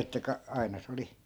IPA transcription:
etːæ kɑ ɑi̯nɑ se oli

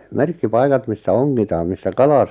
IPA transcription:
merkːipɑikɑt misːæ oŋːitɑːm misːæ kɑlɑ

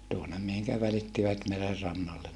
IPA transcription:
tuonem mihiŋkæ ʋælitːiʋæt merer rɑnːɑlːen

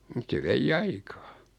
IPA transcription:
mŭt se ʋeij ɑikɑː

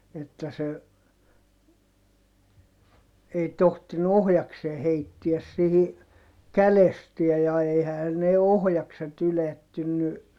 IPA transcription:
etːæ se ei tohtinu ohjɑkseː heitːiæs sihi kælestiæj jɑ eihæhæn ne ohjɑkset yletːynːy

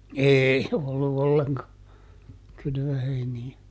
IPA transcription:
eːi olːu olːeŋkɑ kylʋøheiniæ

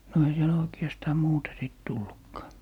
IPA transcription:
no ei siel oiki̯ɑstɑː muːtɑ siˑt tulːukːɑː

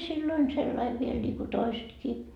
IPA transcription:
silːoin selːɑiʋ ʋiel nʲiːku toisetkiː

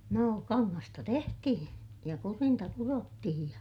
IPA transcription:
noː kɑŋːɑstɑ tehtihĩː jɑ kurintɑ kurotːihij jɑ

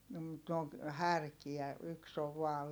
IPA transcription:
no mut ne oŋ hærkiæ yks oʋ ʋɑː

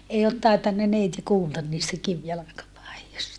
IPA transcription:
ei ot tɑitɑnːɑ neiti kuːltɑn niːstæ kiʋjɑlɑkɑpɑijostɑ

